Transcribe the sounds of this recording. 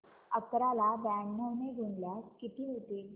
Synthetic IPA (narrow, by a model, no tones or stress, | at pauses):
ək̚t̪əɾalabænːəwneɡʱuɳljaskit̪iːɦot̪e